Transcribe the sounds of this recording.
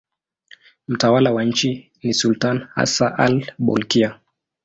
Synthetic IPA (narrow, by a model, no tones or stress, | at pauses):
m̩tawalawaɲ̩t͡ʃi | nisultanha̰saʔa̰lɓɔ̰lkia